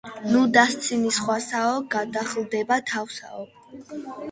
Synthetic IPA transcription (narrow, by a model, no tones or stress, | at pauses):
nud̪ast̪sʰinisχwasaɔɡad̪aχlˠd̪ɛbat̪ʰafsa̰ɔ